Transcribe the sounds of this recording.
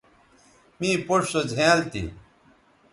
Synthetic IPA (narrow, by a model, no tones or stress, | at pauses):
mĩːpoʂsod͡ʑʱẽːlt̪ḭ